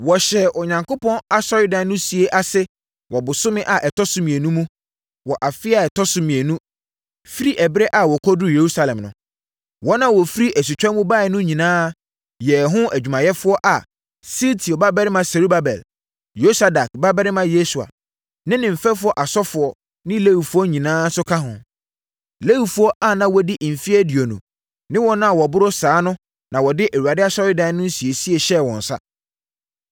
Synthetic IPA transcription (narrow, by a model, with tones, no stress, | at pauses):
wɔ˨ɕɛ˨ʔɔ˨ɲã˨ŋkʊ˦pʰɔ̃˦na˦sɔ˦ɾɪ˦dã˨nː˦nʊ̃˦si˨e˦ʔa˦sɛ˦ | wɔ˨bʊ˨sʊ̃˦mɪ̃˦ʔa˨ʔɛ˨tʰɔ˦sʊ̃˦mĩ˨e˨nũ˦mũ˦ | wɔ˨ʔa˨fɪ˦a˦˨ɛ˨tʰɔ˦sʊ̃˨mɪ̃˨e˨nũ˦ | fi˦ɾi˦ʔɛ˨bɾɛ˦ʔa˨wɔ˨kʰɔ˦dʊ˦je˨ɾu˦sa˨lɛ̃˨mnʊ̃˨ | wɔ˦nã˦wɔ˨fi˦ɾi˦ʔæ˨s̬u˨t͡ɕᶣɛ̃˦mũ˦baː˦˨ɪ˨nʊ̃˦ɲĩ˨nãː˦ | jɛ˨ɦʊ̃˦æ˨d͡ʑᶣu˨mã˨jɛ˦fʊ˦ɔ˦ʔa˨ | si˦ltʰi˨ɔ˨ba˦bɛ˦ɾɪ˦mã˨sɛ˨ɾu˦ba˦bɛ̰˨l | jo˦sa˦da˨kba˦bɛ˦ɾɪ˦mã˦je˦su˨a̰˨ | nɪ̃˦nɪ̃˨m̩˨fɛ˦fʊ˦ɔ˦ʔa˨sɔ˦fʊ˨ɔ˨ | nɪ̃˦le˦wi˨fu˦ɔ˦ɲĩ˨nãː˦sʊ˦kʰa˦ɦʊ̰̃˨ | le˦wi˨fu˨˦ɔ˦ʔa˦nã˦wɔ˦dɪ˦ʔm̩˨fi˦æ˦di˨o˨nʊ̰̃˨ | nɪ̃˦wɔ̃˦nʊ̃˦a˨wɔ˨bʊ˦ɾo˦saː˨˦nʊ̃˦ | nã˨wɔ˨dɪ˦ʔæ˨wu˨a˨dɪ˦a˦sɔ˦ɾɪ˦dã˨˦nʊ̃˦n̩˦si˨e˨si˦e˨ɕɛ˦˨wɔ̃˨n̩˨sa̰˦